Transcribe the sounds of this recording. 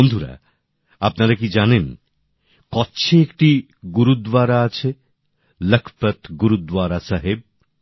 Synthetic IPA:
ond̪ʱuɾa̰ | apnaɾakid͡ʑanen | kɔɕʰeek̚ʈi | ɡuɾud̪waɾaat͡ɕʰe | ləkʰpət̪ɡuɾud̪waɾasaɦeb̚

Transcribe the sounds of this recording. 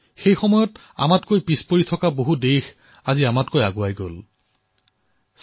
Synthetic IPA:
xejxɔmɔjɔt | a̰matkojpispoɹitʰɔkaboɦudejx | aziamatkojaɡʊajɡol | s

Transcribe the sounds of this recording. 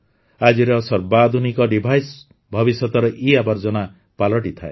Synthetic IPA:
ad͡ʒiɾeɔsɔɾbad̪ʱunikɔɖibʱajs | bʱɔbisɔt̪ɔɾɔʔiabaɾd͡ʒɔna | palɔʈit̪ʰae

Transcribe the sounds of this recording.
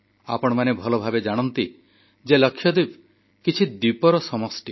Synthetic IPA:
a̰pɔɽ̃ɔmanebʱɔlobʱabed͡ʒaɽ̃ɔnt̪i | d͡ʒelɔkʰːjɔd̪ib | kit͡ʃʰid̪ipɔɾɔsɔmɔsʈi

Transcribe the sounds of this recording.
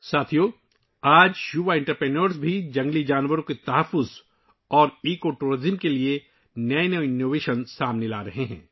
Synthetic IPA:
saːt̪ʰijoː | aːd͡ʒjuʋaɪ̃ɳʈəɾpɾeːnəɾsbʱid͡ʒɐ̃ŋɡlid͡ʒaːnʋəɾõket̪ɐɦəfːʊz | ɔːɾiːkoʈuːɾɪzɪmkelie | nɐeneɪnːoːʋeːʃənsaːmnela̰ːɾɐɦeɦɛ̰̃ː

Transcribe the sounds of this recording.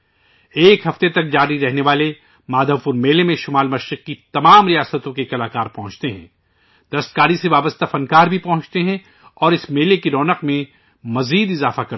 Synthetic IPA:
eːkɦɐft̪et̪ɐk̚d͡ʒaːɾiɾɛɦneʋaːle | maːd̪ʱəʋfʊɾmeːlemẽʃʊmaːlmɐʃɾɪq̚kit̪ɐmaːmɾijaːsət̪õkekɐlaːkaːɾpɐɦʊ̃t͡ʃt̪eɦɛ̰̃ː | d̪̥ɐɾəst̪̚kaːɾiseʋaːbəst̪afɐnkaːɾbʱipɐ̃ɦʊ̃t͡ʃt̪eɦɛ̃ | ɔːɾɪsmeːlekiɾɔːnəqmẽ | mɐziːd̪ɪzaːfakɐɾ

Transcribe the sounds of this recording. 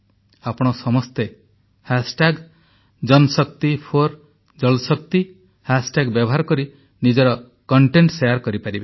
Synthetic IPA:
apɔɽ̃ɔsɔmɔst̪e | hasʈaɡ | d͡ʒɔnɔsɔk̚t̪ipʰoɾ | d͡ʒɔlsɔkt̪i | hasʈaɡbjɔbʱɔɦaɾɔkɔɾi | nid͡ʒɔɾɔ | kɔɳʈeɳʈsejaɾkɔɾipaɾibe

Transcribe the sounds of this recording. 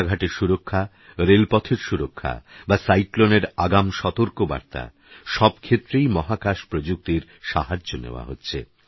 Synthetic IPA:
ɡʱaʈeɾʃuɾokʰːa | ɾelpɔt̪ʰeɾʃuɾokʰːa̰basajkloneɾaɡamʃɔt̪oɾkoba̰ɾt̪a̰ | ʃɔbkʰet̪ːɾejmɔɦakaʃpɾod͡ʑuk̚t̪iɾ | ʃaɦad͡ʑːonḛoa̰ɦotːɕʰḛ

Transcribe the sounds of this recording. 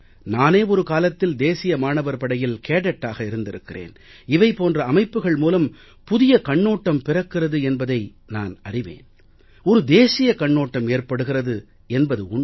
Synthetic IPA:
naːneːɔɾɯkaːlɐt̪ːɪld̪eːsɪjɐmaːɳɐʋɐɾpɐɽɐjɪlkeːɽɐʈːaːɣɐɪɾɯnd̪ɪɾɯkːɪrḛːn | ɪʋɐɪpoːndrɐːmɐɪpːɯɣɐɭmuːlɐm | pʊðɪjɐkɐɳːoːʈːɐmpɪrɐkːɪrɐðɯɛnbɐðɐɪ | na̰ːnɐrɪʋḛːn | ɔɾɯd̪eːsɪjɐkɐɳːoːʈːɐmeːrpɐɽɯɣɪrɐðɯ | ɛnbɐðɯʊɳ

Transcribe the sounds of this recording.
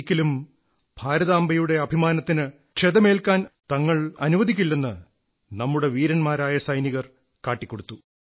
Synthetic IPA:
kʲːilum | bʱaːɾɐðaːmbɐjuɽe̞ɐbʱimaːnɐt̪ːinɨ | kʂʰeðɐme̞ːlkaːnt̪ɐŋːɐɭɐ̰nuʋɐd̪ʱikʲːulːenːɨ | nɐmːuɽe̞ʋiːɾɐnmaːɾaːjɐsɐjniɣɐr | kaːʈːikʲːo̞ɽut̪ːu

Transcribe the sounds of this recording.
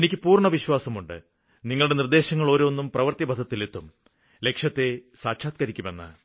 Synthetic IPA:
enikʲːɨpuːrɳɐʋiɕwaːsɐmuɳɖɨ | niŋːɐɭuɽe̞nird̪e̞ːɕɐŋːɐɭo̞ːɾoːnːumprɐʋɐrt̪jɐbʱɐd̪ʱɐt̪ːilet̪ːum | le̞kʂjɐt̪ːe̞saːkɕaːt̪̚kɐɾikʲːume̞nːa̰

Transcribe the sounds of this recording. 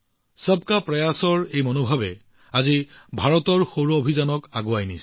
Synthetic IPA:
sab̚kapɹɔjasɔɹejmonobʱabɛ | azibʱaɹɔtɔɹxoɹɔobʱizanɔkaɡuajnis

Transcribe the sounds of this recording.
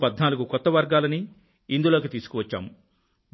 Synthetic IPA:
pɐd̪naːluɡukɔt̪ːɐʋɐɾɡaːlɐni | ind̪ulo̞ːk̬it̪iːsu̥kuʋɐt͡ʃːa̰ːmu

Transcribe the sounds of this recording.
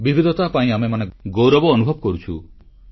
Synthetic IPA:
bibʱid̪ʱɔt̪apaĩamemaneɡowɾɔbɔːnubʱɔbɔkɔɾut͡ʃʰṵ

